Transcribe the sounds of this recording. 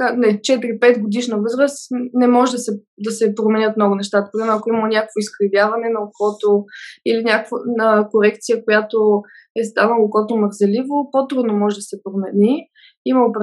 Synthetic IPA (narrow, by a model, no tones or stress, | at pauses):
anɛt͡ʃɛt̪ɾipɛt̪ɡod̪iʃnəvɤzɾəsnɛmɔʒɛd̪ɐsɛ | d̪ɐsɛpɾomɛnʲɤt̪mnɔɡʊnɛʃt̪at̪ə̥pɾimɛnoɐkoimənʲakəkvoiskɾɐvʲjavɐnɛnɐlˠokɔt̪oilinʲakəkvənɐəkoɾɛkt̪sijəkojat̪o | ɛst̪anəlˠokɔt̪oməɾzɛlivopot̪ɾud̪nomɔʒɛd̪ɐsɛpɾomɛnʲi | iməop